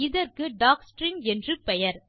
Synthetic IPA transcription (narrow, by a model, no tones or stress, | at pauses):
ɪðɐrkɯɖaːksʈɾɪnɛndrɯpɛjɐɾ